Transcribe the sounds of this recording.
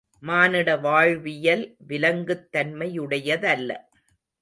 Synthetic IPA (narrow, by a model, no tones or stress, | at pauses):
maːnɪɽɐʋaːɻʋɪjɐlʋɪlɐŋɡɯt̪ːɐnmɐjɯɽɐjɐðɐlːɐ̰